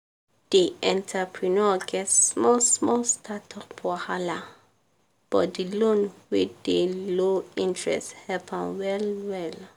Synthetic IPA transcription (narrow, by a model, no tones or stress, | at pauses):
d̥eʔɛ̃ntʰəpʰɹinɔɡɛtsmɔsmɔlstʰatʰɔpʰɔhala | b̥ɔt̚dilõnwiddeloĩntɹɛ̰sthɛpʰãmwɛlwɛl